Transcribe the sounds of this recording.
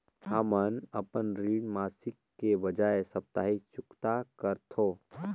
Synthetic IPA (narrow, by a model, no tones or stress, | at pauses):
həmənəpənɾiːɽmaːsɪkːebəd͡ʒaesəp̚t̪aːɦit͡ʃʊkt̪akəɾt̪ʰo